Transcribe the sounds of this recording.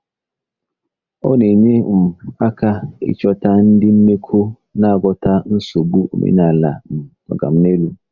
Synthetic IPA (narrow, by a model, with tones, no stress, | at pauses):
ɔ̰˦ne˨ɲe˦m̩˨a˦ka˦ɪ̰˦t͡ʃɔ˦ta˦n̩˦dɪ˦m̩˦me˦kʰo˦ | na˦a˨ɡɔ˦ta˦n̩˦so˨ɡ͡bu˦o̰˨mḛ˨˦na˨la̰˨m̩˨tɔ̰˨ɡa̰˨m̩˦ne˦lu˦